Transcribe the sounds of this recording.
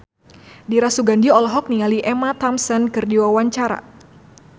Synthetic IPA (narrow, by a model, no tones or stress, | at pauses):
diɾasuɡandiɔlɦɔk̚nialiʔɛmat̪amsɛnkɨrdiwawaɲt͡ʃaɾa̰